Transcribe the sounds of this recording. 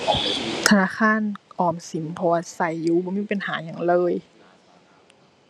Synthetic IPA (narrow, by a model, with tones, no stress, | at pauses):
t̪ʰa˧naː˧˥˨kʰaː˧˥˨nʔɔː˧˩msi˨˦mpʰɔ˧waː˧sa˧˩jːuː˧˦bɔː˧˦miː˧˥˨pa˨nhaː˨˩˦ɲa˧˩˨ŋlɤː˧˨j